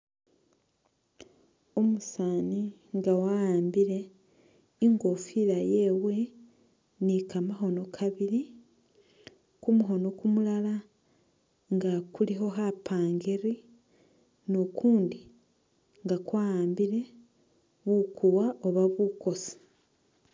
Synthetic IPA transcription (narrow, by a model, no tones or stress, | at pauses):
omusaːni | ŋɡawaaːmbiɾe̞ | iŋɡo̞fiɾajewe | nikamaɦo̞no̞kʰaβiɾi | kumuɦo̞no̞kumulala | ŋɡakuliɦo̞ɦapʰaːŋɡeɾi | nokʰuːndi | ŋɡakwaːjaːmbiɾe̞ | βuːkuwaʔoβaβuko̞si̥